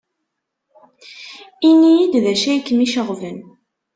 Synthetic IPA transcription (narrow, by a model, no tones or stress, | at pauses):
inːijid̪ðæʃæjkːmiʃəʁvən